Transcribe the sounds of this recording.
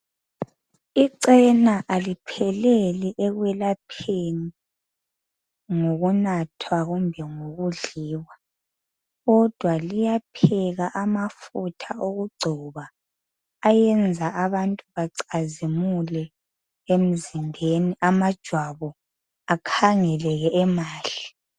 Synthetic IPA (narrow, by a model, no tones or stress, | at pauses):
iǀɛnaʔalipʰɛlɛliʔɛɣwɛlapʰeni | ŋoɣunatʰwaɣumbʱɛŋoɣuɮiːwa | ɣɔd̥ʱwalijapʰɛɣaʔamafutʰaoɣuɡ͡ǀʱɔβaː | jɛnd͡zʱaʔaβantʼuβaǀazimulɛ | em̩zimbʱeniʔamad̥ʒ̥ʱwaβɔ | akʰaŋɛlɛɣɛʔɛmaːli